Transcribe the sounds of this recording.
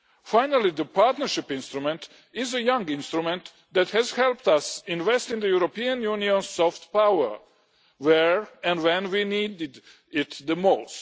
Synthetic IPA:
fajnalid̪əpaɹt̪nə˞ʃɪpɪ̃nst̪ɾumɛ̃nt̪ | ɪzəjãŋɡɪ̃nst̪ɾumɛ̃nt̪ | d̪æt̪hɛzhɛlpt̪asɪ̃nvɛst̪ɪ̃nd̪əjuɾopiãnjũniɔ̃nsːɔft̪pawə˞ | wɛɹɛ̃nwɛ̃nwinidɪd̪ | ɪt̪ðəmoʊst

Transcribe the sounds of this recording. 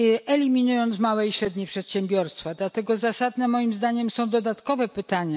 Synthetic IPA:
ɛlʲimʲinujɔnt̪smawɛiɕɾɛd̪ɲejpʂɛt̪ɕɛmbʲjɔɾst̪fad̪lat̪ɛɡɔzasad̪nɛmɔjimzd̪aɲɛmsɔ̃w̃d̪ɔd̪at̪kɔvɛpɘt̪aɲa

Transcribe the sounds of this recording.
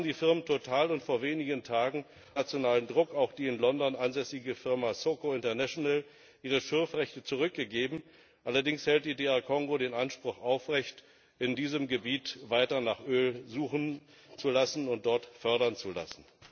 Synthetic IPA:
abm̩diːfɪɐməntʰotʰaːlʊntfoːɐveːnɪɡəntʰaːɡŋ̩ | at͡sjonaːləndʁʊkaʊxd̥iːɪnlɔndɔnʔanzɛsɪɡəfɪɐmasokoɪntɐnaʃonal | ʔiːʁ̞əʃɪɐfʁɛçtət͡suʁ̞ʏk̚ɡ̥əɡeːbm̩ | ʔalɐdɪŋshɛlt̚d̥iːdeːaɐkʰɔŋɡoɾeːnʔanʃpʁ̥ʊχʔaʊfʁɛçt | ʔɪndiːzəmɡəbiːtvaɪtɐnaːχʔøːlzuːχn̩ | t͡sulasn̩ʊnt̚d̥ɔɐtfœɐɾɐnt͡sula̰sn̩

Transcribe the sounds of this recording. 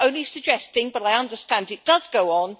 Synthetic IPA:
õʊ̃nlisəd͡ʒɛstɪ̃ŋbʌɾaɪʌ̃ndəstãndɪt̚d̥ʌzɡoʊə̃n

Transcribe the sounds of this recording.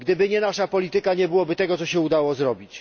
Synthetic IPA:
ɡd̪ɘbɘɲɛnaʂapɔlʲit̪ɘkaɲɛbɘwɔbɘt̪ɛɡɔt̪sɔɕɛud̪awɔzɾɔbʲit͡ɕ

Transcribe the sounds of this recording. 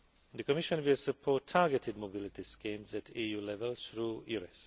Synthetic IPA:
d̪əkɔmɪʃə̃nʋɪlsəpʰɔːtʰaɡɛtʰɪd̚mobɪlɪtiskĩmzætʰijuːlɛvəlθɾujuɹɛs

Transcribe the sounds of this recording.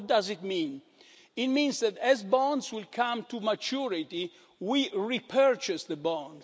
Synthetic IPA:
t̚dazit̪mĩn | it̪̚mĩnzðɛt̪ɛzbɔ̃ndzwilkʰãmt̪umat͡ʃuɹit̪i | wiɹipʰɜɹt͡ʃɛsðəbɔ̃nd

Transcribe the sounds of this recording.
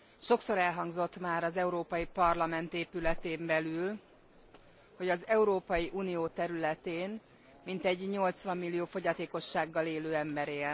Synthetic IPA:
ʃo̞kso̞ɾɛlɦɒŋɡzo̞t̪maːɾɒzɛuɾoːpɒjipɒrlɒmɛnt̪eːpylɛt̪eːmbɛlyl | ho̞ɟɒzɛuɾoːpɒjiʔuːnijoːt̪ɛɾylɛt̪eːn | mint̪ɛɟɲo̞lt̪sʋɒmːilːijoːfo̞ɟɒt̪eːko̞ʃːaːɡːɒleːløːɛmbɛɾeːl

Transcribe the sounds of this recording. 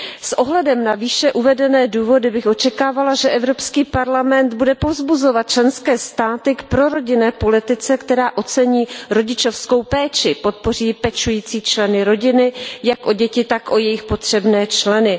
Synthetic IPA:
sʔo̞ɦlɛdɛmnaviːʃɛʔuvɛdɛnɛːduːvo̞dɪbɪxʔo̞t͡ʃɛkaːvalaʒɛʔɛvɾo̞pskiːpaɾlamɛnd̪budɛpo̞vzbuzo̞vat̪̚t͡ʃlɛnskɛːst̪aːt̪ɪkpɾo̞ɾo̞ɟɪnɛːpo̞lɪt̪ɪt͡sɛkt̪ɛɾaːʔo̞t͡sɛɲiːɾo̞ɟɪt͡ʃo̞fsko̞wpɛːt͡ʃɪpo̞t̪̚po̞r̝iːpɛt͡ʃujiːt͡siːt͡ʃlɛnɪɾo̞ɟɪnɪjakʔo̞ɟɛcɪt̪akʔo̞jɛjɪxpo̞t̪r̝̥ɛbnɛːt͡ʃlɛnɪ

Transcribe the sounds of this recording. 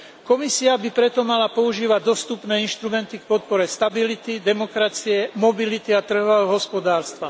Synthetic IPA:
kɔmisiabipɾɛt̪ɔmalapɔuʒiːʋaɟd̪ɔst̪upnɛːinʃt̪ɾumɛnt̪ikpɔt̪̚pɔɾɛst̪abilit̪id̪ɛmɔkɾat͡siɛmɔbilit̪iat̪r̩ɦɔɛɔɦɔspɔd̪aːɾst̪ʋa

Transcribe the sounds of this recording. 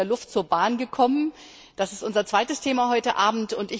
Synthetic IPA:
eɐlʊftt͡suːɐbaːnɡəkʰɔmən | d̥asɪstʔʊnzɐt͡sv̥aɪtəstʰeːmaɦɔʏtəʔaːbm̩tʊntɪ

